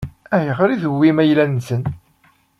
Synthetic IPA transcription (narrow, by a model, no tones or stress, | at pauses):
æjəʁɾiðəwːimæjlænsən